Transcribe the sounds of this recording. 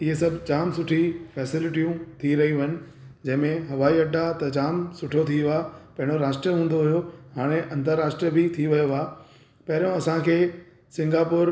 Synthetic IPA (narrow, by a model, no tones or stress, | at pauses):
ɪɦes̬ɐbʱd͡ʑaːmsʊʈʰifɛːsɪlɪʈijũt̪ʰiɾɐɦĩɦɪnɪ̆ | d͡ʑɐ̃ɦɪ̃mẽɦɐʋaːiɐɖʱat̪ɐd͡ʑaːmsʊʈʰot̪ʰiʋaːpɐ̃ɦɪ̃ɽ̃oɾaːʃʈɾəɦũːn̆d̪oɦijohaːɽ̃eʔɐ̃nt̪əɾːaːʃʈɾiəbɪt̪ʰiʋɐjoʋaː | pɐɦɪɾijõɐsãkʰeː | sɪ̃ŋɡaːpʊːɾ